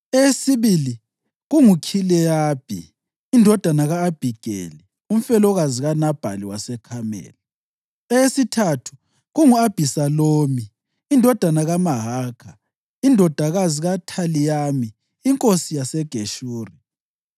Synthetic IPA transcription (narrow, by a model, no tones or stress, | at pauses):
ɛesiβili | ɣuŋukʰilɛjab̥ʱḭː | ndʱɔd̥ʱanaɣaːb̥ʱiɡ̥ʱḛli | um̩fɛlɔɣaziɣanab̥ʱa̰liwasɛkʰamɛ̰ːla | ɛesitʰatʰu̥ | ɣuŋuab̥ʱisaloːmi | indʱɔd̥ʱanaɣamaɦaːkʰa | indʱɔd̥ʱaɣaziɣatʰalijaːmiː | ŋkʼosijasɛɡ̥ʱeʃuːri